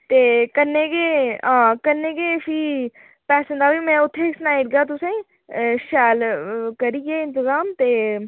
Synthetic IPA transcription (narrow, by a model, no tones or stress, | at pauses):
t̪eːkənːeːkeːãːkənːeːkeːpʰiː | pɛːsə̃nd̪aːʋiːmɛ̃ːʊt̪ʰːeːsnaːiɪʈ̚ɡaːt̪̬ʊsẽ | ʃɛːlkəɾiːɡeːɪ̃nt̪ɪzaːmt̪eː